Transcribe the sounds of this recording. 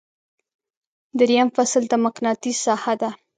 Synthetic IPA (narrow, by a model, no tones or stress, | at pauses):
d̪əɾijamfasld̪əmaqnɑt̪isɑhad̪a